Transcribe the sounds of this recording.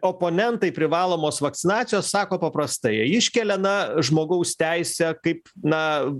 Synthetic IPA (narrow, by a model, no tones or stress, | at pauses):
oːpoːnʲɛnt̪ɐɪpʲɾʲɪʋɑːlˠoːmoːsʋɐk̚t̪sʲɪnɑːt̪ʲɪjoːssɑːkoːpɐpɾɐst̪ɐɪɪʃʲkʲɛlʲɛnɐʒmoːɡɐʊst̪ʲæɪsʲɛkɐɪpnɐ